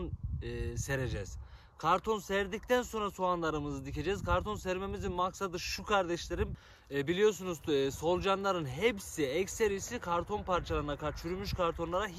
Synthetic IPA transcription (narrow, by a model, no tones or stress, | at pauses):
nːseɾed͡ʒɛz̥ | kʰaɾt̪ʰo̞nsɛɾd̪icʲt̪ʰænso̞nɾasoanlˠaɾɯmɯzɯd̪ice̞d͡ʒɛzkʰaɾt̪ʰo̞nsɛɾme̞mizinmaksad̪ɯʃukʰaɾd̪ɛʃlʲe̞ɾim | bilʲijo̞s̬unuzso̞lˠd͡ʒanlˠaɾɯnɦɛpsiɛcʲseɾisikʰaɾt̪ʰo̞npʰaɾt͡ʃʰalˠaɾɯnakʰaɾt͡ʃʰyɾymyʃkʰaɾt̪ʰo̞nlˠaɾa